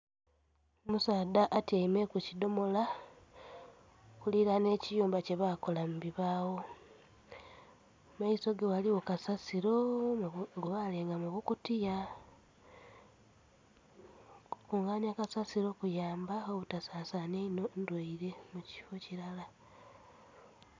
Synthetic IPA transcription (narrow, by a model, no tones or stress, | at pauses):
musaːdaʔːtiaimekucido̞mo̞la | kuliɾane̞ːcijuːmbace̞βako̞lambiβaːwo̞ | maiso̞ɡewaliwo̞kasasiɾo̞ | ɡoβaleːŋɡamuβukutija | kuŋɡaːɲakasasiɾo̞kujaːmbaoβutasaːsaneinondwaiɾe̞muci̥fociɾala